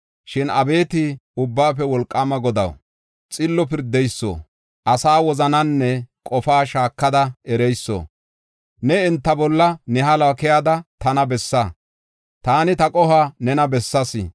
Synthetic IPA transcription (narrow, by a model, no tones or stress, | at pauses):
ʃɪnɐbe̞ːt̪ɪʊbːaːfɛwɔlkʼːamɐɡɔd̪ɐ̰w | t͡sʼɪlːɔpɪɾd̪ɛjsːo̰ː | ʔɐsaːwɔzɐnɐnːɛkʼɔfaːʃaːkːɐd̪ɐʔɛɾɛjsːo̰ː | nɛɪnt̪ːɐbɔlːɐnɛɦɐloːkɪjaːd̪ɐt̪ɐnɐbɛsːɐ | t̪aːnɪt̪ɐkʼɔhanɛnɐbɛsːɐsɪ̰